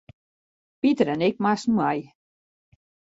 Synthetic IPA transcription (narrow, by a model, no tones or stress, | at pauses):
pit̪əɾɛnek̚masnaj